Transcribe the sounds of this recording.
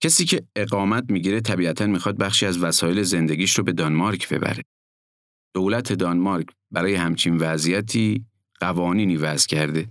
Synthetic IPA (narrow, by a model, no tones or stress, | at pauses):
cʰesiːcʰe̞eɣɒːmæt̪̚miːɟiːɾet̪ʰæbiːæt̪ʰænmiːxɒd̪̚bæxʃiːæzvæsɒːje̞leze̞nd̪e̞ɟiːʃɾobe̞d̪ɒnmɒɾcʰbe̞̰bæ̰ɾe | d̪̥owlæt̪ʰe̞d̪ɒnmɒɾcʰ | bæɾɒːjehæmt͡ʃʰinvæzijæt̪ʰiː | ɢ̥ævɒːniːniːvæz̥cʰæɾd̪e̞